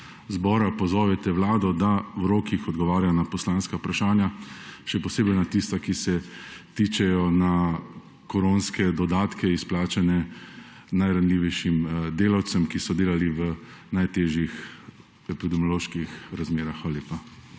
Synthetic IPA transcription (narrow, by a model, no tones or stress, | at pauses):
zbɔːɾapɔzɔːʋɛt̪ɛʋlaːd̪ɔd̪awɾoːkixɔd̪ɡɔʋaːɾjanapɔslaːnskaupɾaʃaːnjaʃɛpɔseːbɛjnat̪ist̪akisɛt̪it͡ʃɛjɔna | kɔɾonskɛd̪ɔd̪aːt̪kɛisplaːt͡ʃanɛ | najɾanliːʋɛjʃimd̪eːlawt̪sɛmkisɔd̪eːlaliʋə | najt̪eːʒjix | ɛpid̪ɛmjɔloːʃkixɾazmeːɾaxːʋaːlaljeːpa